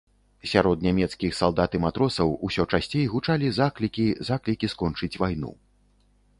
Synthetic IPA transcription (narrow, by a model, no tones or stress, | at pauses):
sʲaɾɔd̪nʲamʲɛt̪skʲixsalˠd̪at̪ɨmat̪ɾɔsɐwusʲɔt͡ʂasʲt͡sʲejɣut͡ʂalʲizaklʲikʲizaklʲikʲiskɔnt͡ʂɨt͡sʲvajnṵ